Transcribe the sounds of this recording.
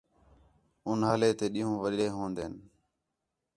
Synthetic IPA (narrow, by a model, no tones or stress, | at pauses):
ʊnɦəːleːt̪eːɗĩːɦõːʋəɗɾeːɦõːnd̪eːn